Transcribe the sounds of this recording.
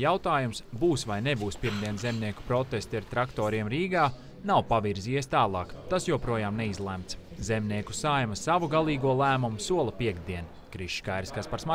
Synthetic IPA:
jawt̪aːjumsbuːsʋajnebuːspiɾmd̪iɛnzemniɛku̥pɾɔt̪est̪iaɾt̪ɾakt̪ɔːɾiɛmɾiːɡaː | nawpaviɾziːiɛst̪aːlˠɑːkt̪asjuɔpɾuɔjaːmnɛizlˠɛmt̪s | zemniɛku̥sajmɐsavuɡalˠiːɡuɔlˠæːmumusuɔlˠɐpiɛɡd̪iɛn | kɾiʃkajɾiskaspaɾsma

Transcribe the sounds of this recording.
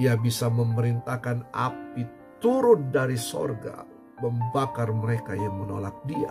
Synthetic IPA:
iabisaməməɾint̪akana̰p̚i | t̪uɾʊn̚daɾiso̰rɡa̰ | məmbakarməɾekajaŋmənolak̚dia̰

